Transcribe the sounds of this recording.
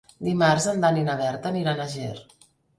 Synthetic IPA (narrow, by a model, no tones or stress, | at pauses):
d̪imaɾzənd̪aninəβ̞ɛɾt̪əniɾanəʒeɾ